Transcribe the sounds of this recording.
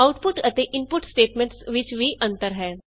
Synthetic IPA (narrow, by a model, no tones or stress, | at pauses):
aʊʈpʊʈət̪eʔɪmpʊʈsʈeːʈmẽɳʈsʋɪt͡ʃʋiʔɐ̃nt̪əɾɦɛː